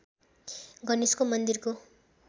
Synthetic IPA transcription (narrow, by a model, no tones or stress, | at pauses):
ɡʌniskomʌnd̪irko